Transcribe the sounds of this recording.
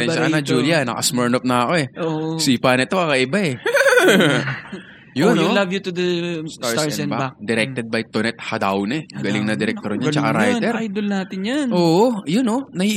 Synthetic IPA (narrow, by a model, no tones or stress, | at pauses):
ɛnʃɐkɐnɐd͡ʒuːliɐnɐ̰kɐsmɛɹnop̚nɐːko̞ɛoʔsiːpaːnɐt̪okɐkɐʔɪbaɛ | jʊnolavjut̪ud̪ɐst̪aɹɹbabad̪ɛɾɛk̚t̪ɛd̪̚bɐjt̪onɛt̪̚had̪awnɛɡɐlɪŋnɐd̪ɪɾɛk̚t̪oɾɲat͡ʃɐkaɾaj̪ɛɾjd̪olnaːt̪ɪnjɐnoːʔojʊnonɐhi